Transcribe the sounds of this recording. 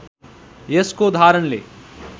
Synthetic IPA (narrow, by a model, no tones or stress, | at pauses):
jeskoːd̪ʱaːɾɐɳlḛː